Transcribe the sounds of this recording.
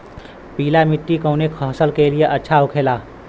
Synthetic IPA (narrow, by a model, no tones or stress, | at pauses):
piːlamɪʈːikoːnekʰɔːsəlkelieʔɐtːʃʰaʊkʰeːlaː